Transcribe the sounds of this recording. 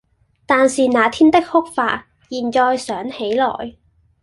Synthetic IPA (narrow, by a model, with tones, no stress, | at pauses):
t̪aː˨nsiː˨˩naː˨˥t̪ʰiː˥nt̪ɪ˥k̚hʊ˥k̚faː˧t̚ | jiː˨˩nt͡ʃɔː˧jsœː˨˥ŋhe˨˥jlɔ̰ː˨˩j